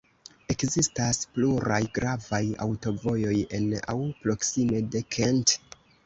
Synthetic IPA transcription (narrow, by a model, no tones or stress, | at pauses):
e̞kzistaspluɾajɡɾavaja̰wto̞vo̞jo̞je̞na̰wpɾo̞ksime̞de̞kʰent